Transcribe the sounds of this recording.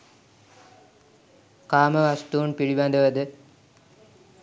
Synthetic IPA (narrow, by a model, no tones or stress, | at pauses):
kaːmɐʋɐsʈuːɳpiɻiʋaːnd̪ɐʋɐd̪ɨ